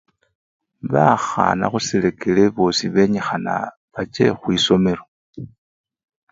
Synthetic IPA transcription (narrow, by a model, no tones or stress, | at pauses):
βaxa̰na̰xusile̞keleβo̞siβe̞ɲexana̰ | βat͡ʃe̞̰xwiso̞me̞ɾo